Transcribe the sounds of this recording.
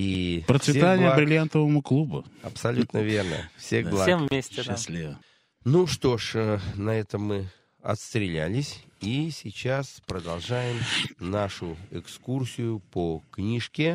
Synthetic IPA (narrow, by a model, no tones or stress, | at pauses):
ipɾət̪svʲɪet̪anʲɪjəbɾʲɪlʲjant̪əvəmʊklˠubʊ̰ɐpsɐlʲut̪nəvʲe̞rnə̰fsʲexlˠasemvmʲesʲtʲɪɪsʲlʲivə | nuʂt̪o̞ʂənɐɛt̪əmːɨ | ɐ̰t̪st̪ɾʲɪlʲæ̰lʲɪsʲisʲɪt͡ɕaspɾəd̪ɐlˠʐajɪmnaʂʊɪkskursʲɪjʊpoknʲiʂkʲɪ